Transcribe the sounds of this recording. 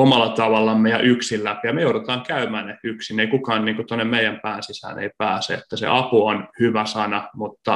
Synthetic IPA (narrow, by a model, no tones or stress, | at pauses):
omɑlːˑɑt̪ɑʋɑlːɑmːejɑʔyksillæpijɑmejoˑuɾot̪ɑːŋkæymæːneyksineikukɑːnniːŋkut̪onːemmeijˑæmpæːnsisæ̰ːnḛipæːsḛḛt̪ːæsḛʔɑpuonhyʋæsɑnɑmut̪ːɑ